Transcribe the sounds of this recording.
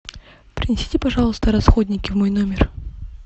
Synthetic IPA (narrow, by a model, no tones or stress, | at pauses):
pɾʲɪnʲɪsʲi̥tʲɪpɐʐɑlˠəst̪əɾɐsxodʲnʲɪkʲɪvmojnomʲɪr